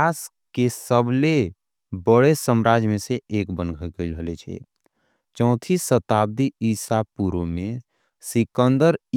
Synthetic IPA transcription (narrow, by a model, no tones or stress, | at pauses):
as | kesəbʱle | bəɽesəmɾaːd͡ʒmẽseʔeːkbənɡʱəkəiləɦlet͡ʃʰḛ | t͡ʃɔ̃ʊt̪ʰisət̪aːb̚d̪iiːsapuɾõmẽ | sɪkənd̪əɾ